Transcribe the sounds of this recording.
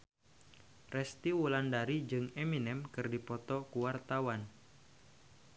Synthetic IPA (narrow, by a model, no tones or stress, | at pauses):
rɛst̪iwulandaɾid͡ʒɨŋeminɛmkɨrdipɔt̪ɔkuwart̪awan